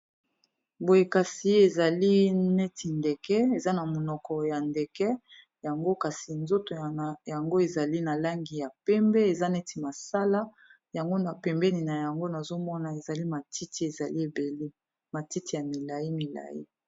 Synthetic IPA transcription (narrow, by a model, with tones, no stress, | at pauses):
bo˨je˨ka˨si˨e˨za˨li˦nɛ˦tʰi˨ndɛ˨kɛ˦e˨za˦na˨mo˨nɔ˨kɔ˨ja˨ndɛ˨kɛ˦ | ja˨ŋɡo˦ka˨si˨nzo˦to˨ja˨ŋɡo˦e˨za˨li˦na˨la˦ŋɡi˨ja˨pɛ˦mbɛ˦e˨za˦nɛ˦tʰi˨ma˨sa˦la˦ | ja˨ŋɡo˦na˨pɛ˨mbɛ˦ni˨na˨ja˨ŋɡo˦na˨zo˦mɔ˦na˨e˨za˨li˦ma˨ti˦ti˨e˨za˨li˦e˨be˨le˦ | ma˨ti˦ti˨ja˨mi˨la˨ji˦mi˨la̰˨jḭ˦